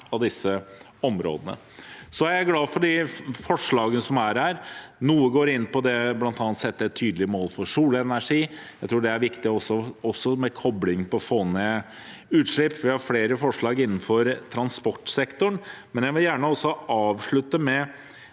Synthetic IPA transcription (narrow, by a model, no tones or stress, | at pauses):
ɑʋd̪ɪsːə | ɔmɾo̰ːd̪ənə̰ | sɔææɡlɑːfɔɖiːfɔʂɭɑːɡənəsɔmæɾhæːɾnuːəɡoːɾɪnːpɔd̪ɛblɑnt̪ɑːnt̪sɛt̪ːəɛt̪ʰːyːd̪lɪəmoːlfɔʂuːlɛnæʂiːjæɪt̪ʰɾuːɖɛæɾʋɪkt̪ɪɔsːɔɔsːɔmɛkʰɔblɪŋpɔfoːne | ʉːt̪ʂɭɪpːʋɪhɑɾfleːɾəfɔʂɭɑːɡɪnːn̩fɔɾt̪ʰɾɑnspɔʈːsɛkt̪ʊɳmɛnjæʋɪljæːɳəɔsːɔʔɑːʋʂɭʉt̪ːəmɛ